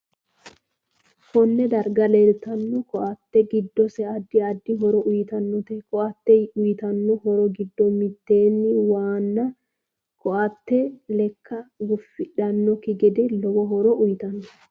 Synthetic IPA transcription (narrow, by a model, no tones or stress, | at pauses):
hɔnːɛd̪ɐɾɡɐlɛɾt̪ɐnːɔkɔʔɐt̪ːɛɡɪd̪ːɔsɛɐd̪ːɪɐd̪ːɪɦɔɾɔʔʊjt̪ɐnːɔt̪ɛkɔʔɐt̪ːɛʊjɪt̪ɐnːɔhɔɾɔɡɪd̪ːɔmɪt̪ːe̞ːnːɪwaːnːɐ | kɔʔɐt̪ːɛlɛkːɐɡʊfːɪᶑɐnːɔkɪɡɛd̪ɛlɔwɔɦɔɾɔʔʊjɪt̪ɐnːɔ